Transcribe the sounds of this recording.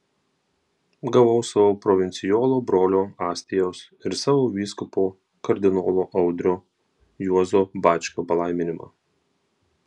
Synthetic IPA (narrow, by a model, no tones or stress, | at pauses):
ɡɐʋɐʊsɐʋoːpɾɔʋʲɪnʲt̪sʲɪjoːlˠoːbɾoːlʲoːɑːsʲt̪ʲɪjoːs | ɪɾsɑːʋoːʋʲiːskʊpoː | kɐɾʲd̪ʲɪnoːlˠoːʔɐʊd̪ʲɾʲoː | juɔzoːbɑːt͡ʃʲkʲoːpɐlˠɐɪmʲɪnʲɪmɑ̰ː